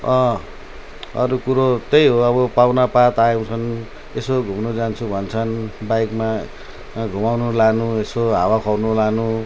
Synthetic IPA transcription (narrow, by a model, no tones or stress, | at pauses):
ʌ̃ | ʌ̰ɾukuɾot̪ejɦoʌβʌpawnapat̪ajew̃t͡sʰʌn | esoɡʱumnod͡zant͡sʰubʱʌnt͡sʰʌnbajkma | ɡʱumawnulanuesoɦawakʰʌwnulanu